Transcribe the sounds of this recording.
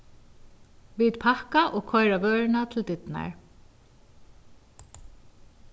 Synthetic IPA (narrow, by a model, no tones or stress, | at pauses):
ʋit̪pʰahkaʔɔːkʰɔjɾaʋœːɹnat̪ʰɪld̪ɪt̪na̰ɹ